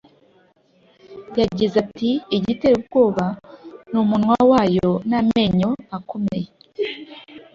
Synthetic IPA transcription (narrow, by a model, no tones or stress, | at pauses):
jaɟizatiːɟiteɾubɡo̞ːβanumunwawaːjo̞name̞ɲo̞ako̞me̞je